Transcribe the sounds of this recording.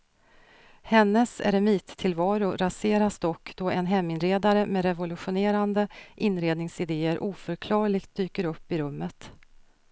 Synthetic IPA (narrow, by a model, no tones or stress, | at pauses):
hɛnːəsɛ̰ɾɛmiːt̪ʰːɪlvɑːɾʊɾaseːɾasd̪ɔkːd̪̥ɔɛnɦɛmːɪnɾeːd̪aɾəmɛɾɛvʊlɵɧʊneːɾand̪əʔɪnɾeːd̪nɪŋsɪd̪eːəɾʔuːfœɾkʰlɑːɭɪɡt̪̚d̪yːkəɾɵpːɪɾɵmːət̪